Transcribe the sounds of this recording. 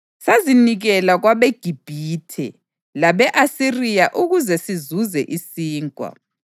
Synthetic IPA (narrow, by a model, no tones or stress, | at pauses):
saziniɣɛlaɣwaβeɡ̥ʱib̥ʱiːtʰɛ̰ | laβɛʔasirijaʔuɣuzɛsizuzɛʔisiːŋkʼwa̰